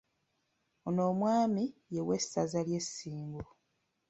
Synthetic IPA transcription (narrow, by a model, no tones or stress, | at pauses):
ono̞ːmwaːmijewesazalje̞sːiːmɡu